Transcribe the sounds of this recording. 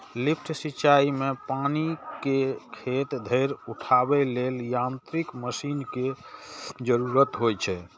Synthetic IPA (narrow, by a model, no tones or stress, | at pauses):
lipʰʈʰsit͡ʃaimepanikekʰet̪d̪ʱəjɾuʈʰabɛleljant̪ɾikməsinke | d͡ʒəɾuɾət̪ɦojt͡ʃʰɛ